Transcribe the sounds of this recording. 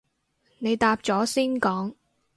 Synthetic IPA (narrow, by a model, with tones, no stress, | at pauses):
ne˨˧jt̪aː˧p̚t͡sɔː˨˥siː˥nkɔː˨˥ŋ